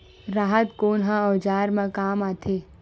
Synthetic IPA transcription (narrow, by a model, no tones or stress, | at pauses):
ɾaːɦət̪koːnɦãɔːd͡ʒaːɾmãkaːmaːt̪ʰeː